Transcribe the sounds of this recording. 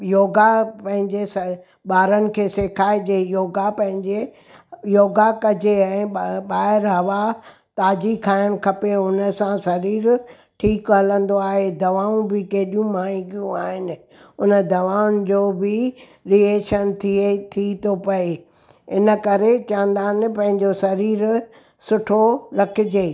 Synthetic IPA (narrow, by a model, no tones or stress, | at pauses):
joːɡapɐ̃ɦɪ̃ɲd͡ʑesɐ | ɓaːɾənɪ̆kʰeːseːkʰaːed͡ʑeːjoːɡapɐ̃ɦɪ̃ɲd͡ʑe | joːɡakɐd͡ʑeɛ̃ːɓaːɦɪɾɦɐʋa | t̪aːd͡ʑikʰaːjənɪ̆kʰɐpeʊnə̆sãsɐɾiːɾ | ʈʰiːkɦɐlə̃nd̪oaːɦed̪ɐʋaːũbɪkeɦɪɗijũmaːĩɡijũaːɦɪnɪ̆ | ʊnə̆d̪ɐʋaːʊnɪd͡ʑoːbɪ | ɾieːʃənt̪ʰiet̪ʰit̪ʰopɐe | ɪnə̆kɐɾet͡ɕãːnd̪aːn̆pɐ̃ɦɪ̃ɲd͡ʑosɐɾiːɾ | sʊʈʰoɾɐkʰɪd͡ʑeː